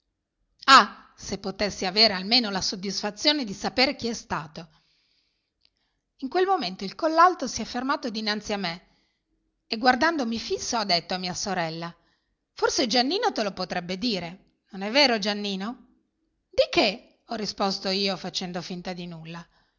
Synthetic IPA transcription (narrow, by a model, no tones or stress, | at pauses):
a | sepːot̪esːiaveːɾealmeːnolasod̪ːisfat̪sːjoːned̪isapeːɾek̟iɛst̪aːt̪o | iŋkwelmoment̪oilkolːalt̪osiɛfːermaːt̪od̪inant̪siamːe | eɡward̪and̪omifisːoad̪ːet̪ːoamːiːasoɾɛlːa | forsed͡ʒanːiːnot̪elopot̪ɾɛbːed̪iːɾe | nonɛvːeːɾod͡ʒanːiːno | d̪ike | ɔrːispost̪oiːofat͡ʃɛnd̪ofint̪ad̪inulːa